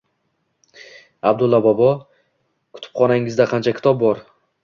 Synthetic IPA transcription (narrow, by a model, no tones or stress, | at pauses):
ab̚d̪ʊlˠːɒbɒbɒ | kʰʊ̥t̪ʰɪ̥p̚qʰɒnaŋɪzd̪aqʰɑnt͡ʃʰakʲʰɪ̥t̪ʰɒb̚bɒɾ